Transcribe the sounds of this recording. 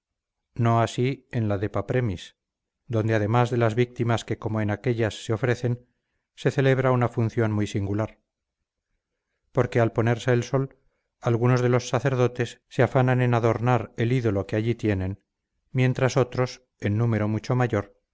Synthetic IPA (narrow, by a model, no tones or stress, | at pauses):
no̞asie̞nlaðe̞papɾe̞mis | d̪o̞nd̪eaðe̞mazðe̞lazβik̚t̪imaske̞komoenake̞ʎasːeo̞fɾe̞θe̞n | se̞θe̞le̞β̞ɾaunafun̟θjo̞nmujsiŋɡulaɾ | po̞ɾke̞alpo̞neɾseːlso̞l | alɣuno̞zðe̞lo̞sːaθe̞ɾðo̞t̪e̞sːeafanane̞naðo̞ɾnaɾe̞liðo̞lo̞keaʎit̪je̞nẽ̞n | mje̞nt̪ɾaso̞t̪ɾo̞s | e̞nːume̞ɾo̞mut͡ʃo̞maʝo̞ɾ